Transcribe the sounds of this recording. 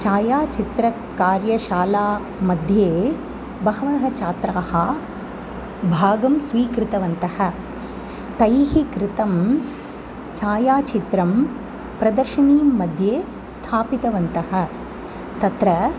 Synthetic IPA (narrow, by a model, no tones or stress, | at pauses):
t͡ʃaːjaːt͡ʃit̪ɾɐ | kaːɾjɐʃaːlaː | mɐd̪ʱjeː | bɐɦɐʋɐɦɐt͡ʃaːt̪ɾaːhɐ | bʱaːɡɐmsʋiːkɾɪt̪ɐʋɐnt̪ɐhɐ̆ | t̪ɐjɦikɾɪt̪ɐm | t͡ʃaːjaːt͡ʃit̪ɾɐm | pɾɐd̪ɐɾʃɐɳiːmɐd̪ʱjeː | st̪ʰaːpit̪ɐʋɐnt̪ɐɦɐ̆ | t̪ɐt̪ɾɐ